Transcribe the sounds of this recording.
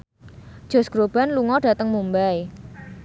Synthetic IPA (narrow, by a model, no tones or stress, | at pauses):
d̥ʒ̥o̤sɡ̥ɾob̥a̤nluŋɔɖ̥ä̤t̪əŋmumbaj